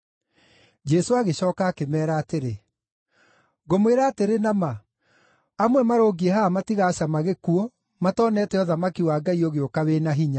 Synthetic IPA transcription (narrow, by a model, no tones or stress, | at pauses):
d͡ʒɛsoaɣeɕɔːkaːkemɛːɾaːteɾe | ɣomweɾaːteɾenama | amwɛmaɾoːɡiɛhamatiɣaːɕamaɣekuo | matɔːnɛːtɛɔðamakiwaːɡaioɣeokawenaɦiɲa